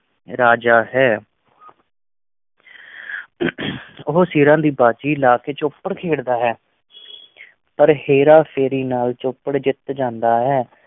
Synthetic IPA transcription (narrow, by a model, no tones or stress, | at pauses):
ɾaːd͡ʒaːɦɛː | ʊɦoːsiːɾãːd̪iːbaːt͡ʃiːlaːkeːt͡ʃʊpːəɽkʰeːɽd̪aːɦɛː | pəɾheːɾaːpʰeːɾiːnaːlt͡ʃʊpːəɽd͡ʒɪt̪d͡ʒãːnd̪aːɦɛː